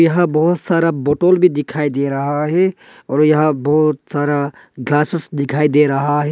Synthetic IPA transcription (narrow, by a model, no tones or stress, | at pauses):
jɐɦãbɐɦʊt̪saːɾaboːʈoːlbʱid̪ɪkʰaːid̪eɾɐɦaɦɛ | ɔːɾjɐɦãbɐɦʊt̪saːɾa | ɡlaːsəsd̪ɪkʰaːid̪eɾɐɦaɦɛ